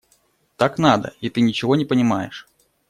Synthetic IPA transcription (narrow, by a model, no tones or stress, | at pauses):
t̪aknad̪ə̰it̪ɨnʲɪt͡ɕɪvonʲɪpənʲɪmajɪ̰ʂ